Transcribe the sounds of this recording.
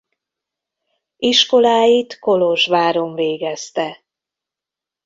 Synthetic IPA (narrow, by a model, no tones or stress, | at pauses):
iʃko̞laːjit̪ko̞loʒʋaːɾo̞ɱveːɡɛst̪ɛ